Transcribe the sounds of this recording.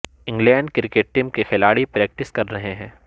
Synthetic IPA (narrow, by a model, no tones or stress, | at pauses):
ɪ̃ŋɡlɛ̃ːɳɖkɪɾkeːʈ̚ʈiːmkexɪlaːɽipɾɛːk̚ʈɪskɐɾːɐɦeɦɛ̃ː